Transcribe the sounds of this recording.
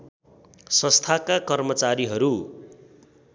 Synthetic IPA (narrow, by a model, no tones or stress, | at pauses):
sʌ̃st̪ʰakakʌrmʌt͡saɾiɦʌɾu